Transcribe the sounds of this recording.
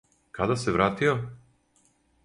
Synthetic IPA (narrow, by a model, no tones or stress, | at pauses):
kad̪aseʋɾaːt̪io